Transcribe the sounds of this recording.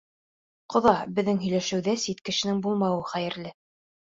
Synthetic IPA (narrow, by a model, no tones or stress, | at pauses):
qŏðɑbɘ̆ðːɘŋɦɵ̆jlæʃɘ̆wðæsit̪kɘ̆ʃɘ̆nɘŋbulˠmɑwɤχæjɘ̆ɾlɘ